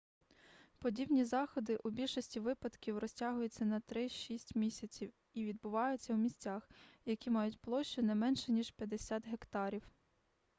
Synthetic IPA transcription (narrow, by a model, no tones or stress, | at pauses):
pɔdʲibnʲizɑxɔd̪ɪʔubʲilʲʃɔsʲtʲiʋɪpɐd̪kʲiwrɔsʲtʲɑɦʊjʊt͡sʲːɐnɐt̪ɾɪʃisʲtʲmʲisʲɐt͡sʲiw | iʋʲid̪̚bʊʋɑjʊt͡sʲːɐwmʲisʲt͡sʲaxjɐkʲimɑjʊtʲplˠɔʃt͡ʃʊnɛmɛnʃɛnʲiʒpʲjɐd̪esʲat̪ɦekt̪ɑɾʲiw